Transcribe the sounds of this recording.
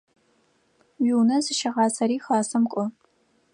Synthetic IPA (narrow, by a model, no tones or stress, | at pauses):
wiwnɐzɨʃɐʁɑːsɐɾiːxɑːsɐmkʷʼɔ